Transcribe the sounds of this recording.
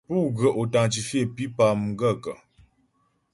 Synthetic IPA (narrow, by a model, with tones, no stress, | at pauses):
pu˦˨ɡə˨ʔo˨ta˨ŋt͡ʃi˨fje˦˨pi˦pa˨m˦ɡə˦˨kə˨